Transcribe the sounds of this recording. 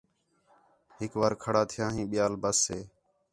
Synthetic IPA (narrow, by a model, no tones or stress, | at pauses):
ɦɪkʋaːɾkʰəɽaːt̪ʰɪjãːɦĩːɓɪjaːlbəsːeː